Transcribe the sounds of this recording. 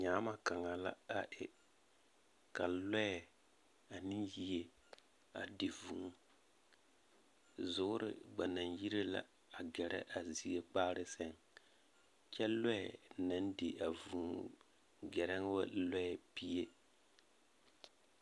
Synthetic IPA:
ɲaː˨˦ma˨ka˨ŋa˨la̰˦a˨ʔɪ˨ | ka˨lɛ˦ɛ˨ | a˨ni˦ji˦e˦ | a̰˨dɪ˨vu˨ŋ˦ | zʊ˨˦ʊ˦ɾɪ̰˨ba˨na˨nji˦ɾe˦la̰˦˨ | a˨ɡɛ˨ɾɛ̰˦ʔa˨zi˨˦e˦k͡paː˦ɾɪ˦sɛ˦ŋ | t͡ʃɛ˦lɛ˦ɛ˨na˦ndɪ˨a˨vu˨ŋ˦ | ɡɛ˨ɾɛ˦ŋ˦wa˦lɛ˦ɛ˨pi˦je˦

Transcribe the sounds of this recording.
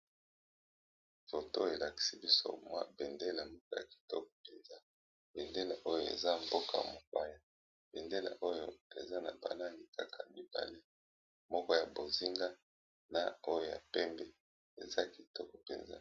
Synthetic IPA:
fo˨to˦e˨la˨ki̥˨si˦bi˦so̰˦ma˦be˨nde˦la˨mbo˦ka˦ja̰˨ki̥˨tɔ˦k̚ɔ̥˨pe˨nza˦ | be˨nde˦la˨ʔo˦jo˦˨ḛ˨za˦mbo˦ka˨ja̰˨mo˨ka˦ja˦ | b̥e˨nde˦la̰˨ʔo˦jo˦e˨za˦na̰˨ba̰˨na˦ŋɡi˨kʰa˦kʰa˨mi˦ba̰˨le˦ | mɔ˦kɔ˦ja˨bo˨zi˦ŋɡa˦ | na˦o˦jo˦ja̰˨pɛ˦mbe˦ | ḛ˨za˦ki˨tɔ˦kɔ˨pḛ˨nza̰˦

